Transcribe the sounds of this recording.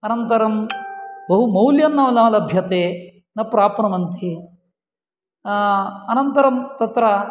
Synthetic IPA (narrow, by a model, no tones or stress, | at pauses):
ɐnɐnt̪ɐɾɐmbɐɦumɐwljɐnːɐːʋɐlaːlɐbʱjɐt̪eː | nɐpɾaːpɐɳɐmɐnt̪ʰi | ɐnɐnt̪ɐɾɐmt̪ɐt̪ɾɐ